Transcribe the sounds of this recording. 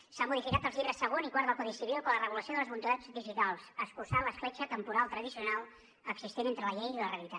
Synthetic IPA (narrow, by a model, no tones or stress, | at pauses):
samuðifikat̪əlˠzʎiβɾəsːəɣ̞onikwaɾðakuðisiβilˠkolərəβuləsioðələzβunt̪uðad͡zbiʒit̪alˠsəskulsaləsflɛt͡ʃət̪əmpuɾalˠt̪ɾəðisiunalˠ | əɡsist̪enent̪ɾələʎejiləreəlit̪a